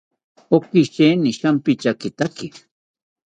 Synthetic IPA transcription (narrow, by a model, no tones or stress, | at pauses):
okɪʃeːnɪʃampɪt͡ʃakɪt̪akɪ